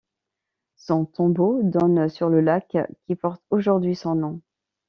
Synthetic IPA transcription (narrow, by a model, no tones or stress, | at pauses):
sɔ̃t̪ɔ̃bod̪ɔnsyʁləlakkʲːipɔʁt̪oʒuʁd̪ɥisɔ̃nɔ̃